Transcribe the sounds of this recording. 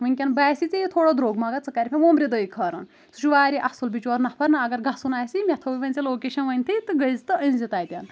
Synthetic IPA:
ʋɐnʲkʲɐnbaːsit͡sijit̪ʰoːɽod̪ɾoːɡmɐɡɐt͡sɐkɐɾʲpʰʲẽʋoːmɾid̪əjkʰɐːɾɐ̰n | suʃuʋaːɾiʔɐhsulbit͡ʃɔɾnɐpʰɐɾnɐɐɡɐɾɡɐsunaːjsimʲet̪ʰɐːʋiʋɐnʲt͡siloːkeːʃɐnʋɐnʲt̪ʰɨt̪ɨɡəjzt̪ɨʔɐ̃nzit̪aːjt̪ʲɐn

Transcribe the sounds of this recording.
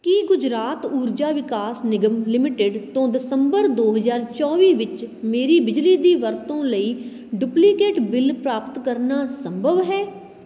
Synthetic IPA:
kiːɡʊd͡ʒɾaːt̪uːɾd͡ʒaːʋɪkaːsnɪɡəmlɪmɪʈɪɖt̪õːd̪ɪsəmbəɾd̪oːɦəzaːɾt͡ʃɔːʋiːʋɪt͡ʃmeːɾiːbɪd͡ʒliːd̪iːʋəɾt̪õːləiː | ɖʊpliːkeːʈbɪlpɾaːpət̪kəɾnaːsəmbʱəʋɦɛː

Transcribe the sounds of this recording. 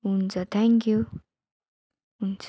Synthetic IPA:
ɦunt͡sʌt̪ʰɛŋkju | unt͡s

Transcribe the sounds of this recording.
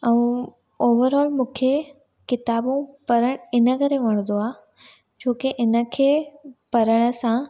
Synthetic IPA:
ɐũ | oːʋəɾɔːlmũːkʰe | kɪt̪aːbũpɐɾəɽ̃ɪnəkəɾeʋɐɽ̃d̪oaː | d͡ʑoːkeʔɪnə̆kʰeːpɐɾəɽ̃ə̆sã

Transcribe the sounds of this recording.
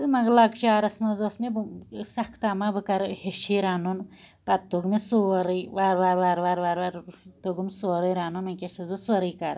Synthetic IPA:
mɐɡlɐɡt͡ʃaːɾɐsmɐzoːsmebsɐkʰt̪amabɨkɐɾheʃiɾanun | pɐt̪̚t̪ːuɡmisoːɾiʋaɾʋaɾʋaːɾʋaːɾʋaːɾʋaɾt̪oɡumsoːɾijɾaːnunmɐkʲeʃɐzbɨsɐɾiːkaɾ

